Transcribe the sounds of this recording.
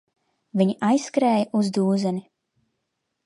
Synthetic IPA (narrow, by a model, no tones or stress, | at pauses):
viɲʔajskɾɛːjʔuzd̪uːzɛnʲi